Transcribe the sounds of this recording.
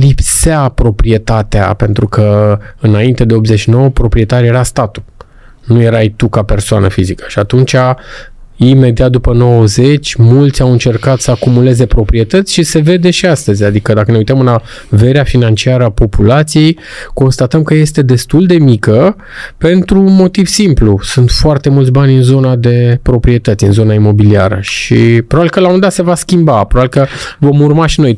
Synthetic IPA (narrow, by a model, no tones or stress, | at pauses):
lipseapɾo̞pɾie̞t̪at̪ea̰pe̞nt̪ɾukəɨnaint̪e̞d̪e̞o̞pzeʃino̞wəpɾo̞pɾie̞t̪aɾje̞ɾast̪at̪u̥ | nuje̞ɾajt̪ukape̞rsoanəfizikə̥ʃiat̪unt͡ʃa | ime̞d̪iat̪̚d̪upəno̞wəze̞t͡ʃʲmult̪sʲawɨnt͡ʃe̞rkat̪səakumule̞ze̞pɾo̞pɾie̞t̪ət̪sʲʃise̞ve̞d̪e̞ʃiast̪əzʲad̪ikəd̪akəne̞ujt̪əmɨna | ve̞ɾeafinant͡ʃiaɾəapo̞pulat̪sije̞j | ko̞nst̪at̪əmkəje̞st̪e̞d̪e̞st̪uld̪e̞mikə | pe̞nt̪ɾumo̞t̪iv̥simplusunt̪foart̪e̞mult̪sʲbanʲɨnzo̞nad̪e̞pɾo̞pɾie̞t̪ət̪ʲɨnzo̞naimo̞bilia̰ɾə̰ʃipɾoabilkəlawomend̪at̪se̞vaskʲimbapɾoabilkəvo̞murmaʃino̞j